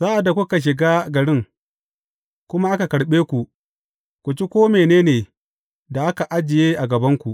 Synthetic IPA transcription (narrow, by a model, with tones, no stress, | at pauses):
zaː˦ʔa˨da˨kʷʊ˦ka˨ʃ̬ɪ˨ɡaː˦ɡɐ˨ɽɪ˦ŋ | kʷʊ˦ma˦ʔa˦ka˨kɐ˨ɽɓeː˦kʷu˨ | kʷu˨t͡ʃi˦kʷoː˦meː˨neː˦neː˨ | da˨ʔa˦ka˨ʔa˦d͡ʒɪ˨jeː˦ʔa˨ɡɐ˨bɐ˦ŋkʷu˨ʔ